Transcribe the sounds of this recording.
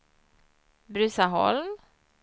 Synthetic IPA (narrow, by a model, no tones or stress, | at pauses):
bɾʉːsaɦɔ̰lm